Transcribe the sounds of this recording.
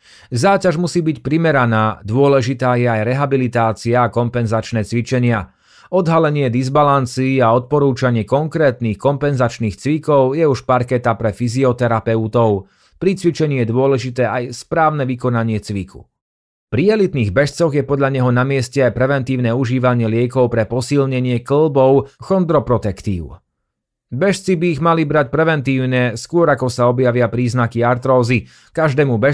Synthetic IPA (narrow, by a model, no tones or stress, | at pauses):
zaːcaʒmusiːbicpɾimɛɾanaːd̪ʊɔlɛʒit̪aːjɛajɾɛɦabilit̪aːt͡siaːkɔmpɛnzat͡ʃnɛːt͡sʋit͡ʃɛɲɪa | ɔd̪ɦalɛɲɪɛd̪izbalant͡siːaɔt̪̚pɔɾuːt͡ʃaɲɪɛkɔŋkɾɛːt̪niːxkɔmpɛnzat͡ʃniːxt͡sʋikɔʊjɛuʃpaɾkɛt̪apɾɛfiziɔt̪ɛɾapɛut̪ɔʊ | pɾit͡sʋit͡ʃɛɲiːjɛd̪ʊɔlɛʒit̪ɛːajspɾaːʊnɛʋikɔnaɲɪɛt͡sʋikʰṵ | pɾiɛlit̪niːɣbɛʃt͡sɔɣjɛpɔd̪ʎaɲɛɦɔnamɪɛscɛajpɾɛʋɛnt̪iːʊnɛːuʒiːʋaɲɪɛlɪɛkɔʊpɾɛpɔsilɲɛɲɪɛkl̩bɔʊxɔnd̪ɾɔpɾɔt̪ɛkt̪ḭːʊ | bɛʃt͡sibiːɣmalibɾac̚pɾɛʋɛnt̪iːʊɲɛskʊɔɾakɔsaɔbjaʋɪapɾiːznakiaɾt̪ɾɔːzi | kaʒd̪ɛːmubɛ